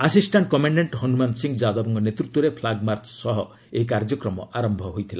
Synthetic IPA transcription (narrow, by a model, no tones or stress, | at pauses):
asisʈaɳʈkɔmaɳɖeɳʈhɔnumansiŋd͡ʒad̪ɔbɔŋkɔnet̪ɾut̪wɔɾepʰlaɡmaɾt͡ʃʰsɔɦɔ | eikaɾd͡ʒɔkɾɔmɔaɾɔmbʱɔɦojt̪ʰila